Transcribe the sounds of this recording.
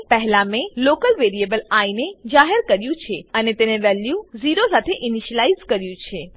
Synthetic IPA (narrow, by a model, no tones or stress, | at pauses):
pɛɦlamẽlokəlʋeɾiebəlained͡ʒaɦəɾkəɾjũt͡ʃʰeənet̪eneʋɛljuziɾosat̪ʰeʔɪniʃəlaizkəɾjũt͡ʃʰe